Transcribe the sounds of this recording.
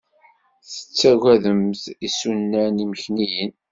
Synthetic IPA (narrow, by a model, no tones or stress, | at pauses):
θə̥t͡sːæɣæðəmθisunːæniməçnijən